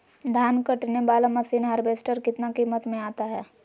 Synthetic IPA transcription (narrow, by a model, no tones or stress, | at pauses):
d̪ʱaːnkəʈnebaːlamɐsiːnɦəɾbeːsʈəɾkɪt̪nakiːmət̪mẽaːt̪aɦɛː